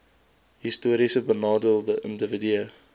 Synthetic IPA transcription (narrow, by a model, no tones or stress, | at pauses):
ɦistuəɾisəbənɑːdəlˠðəʔə̰̃ndəvədiə